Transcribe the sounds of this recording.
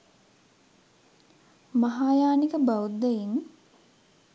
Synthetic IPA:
maɦaːjaːnikəbawud̪ːejiŋ

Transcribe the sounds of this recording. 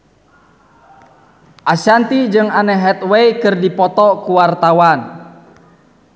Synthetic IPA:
ʔasant̪id͡ʒɨŋanɛɦɛt̪̚wɛikɨrdipɔt̪ɔkuwart̪awan

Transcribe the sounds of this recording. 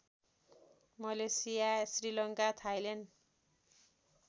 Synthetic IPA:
mʌlesijasrilʌŋkat̪ʰajlen

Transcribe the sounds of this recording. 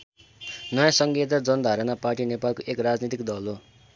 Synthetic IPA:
nʌjãsʌŋɡet̪ad͡zʌnʌd̪ʱaɾʌnaparʈinepalkoʔekrad͡znit̪ikd̪ʌlo

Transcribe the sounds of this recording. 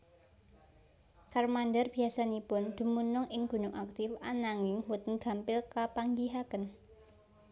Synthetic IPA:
karmandərb̥i̤asanipʊnd̪̥ṳmunʊŋʔɪŋɡ̥ṳnʊŋʔak̚t̪ɪfanaŋɪŋwʊt̪ənɡ̥a̤mpɪlkapaŋɡiɦakən

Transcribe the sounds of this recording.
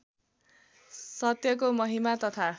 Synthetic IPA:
sʌt̪jʌk̬omʌɦimat̪ʌt̪ʰa

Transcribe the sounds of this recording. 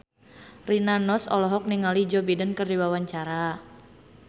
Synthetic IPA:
rinanɔsɔ̰lɔɦɔk̚niŋalid͡ʒɔbidənkərdiwawaɲt͡ʃaɾa

